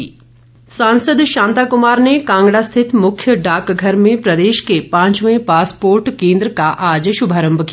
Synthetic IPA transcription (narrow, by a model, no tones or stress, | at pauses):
sãːnsəd̪ʃãːnt̪aːkʊmaːɾnekãːŋɡɽast̪ʰɪt̪mʊkʰjəɖaːkɡʱɐɾmẽpɾɐd̪eːʃkepãːɲt͡ʃmɐẽpaːspoːɾʈkẽːnd̪ɾəkaʔaːd͡ʒʃʊbʱaːɾə̃mbʱki